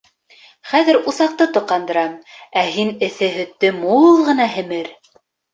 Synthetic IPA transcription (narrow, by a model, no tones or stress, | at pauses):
χæðɘ̆ɾuθɑq̚t̪ɤt̪ŏqːɑnd̪ɤ̆ɾɑmæɦinɘ̆θɘɦɵ̆t̪ːɵmulˠʁɤ̆nɑɦɘ̆mɘɾ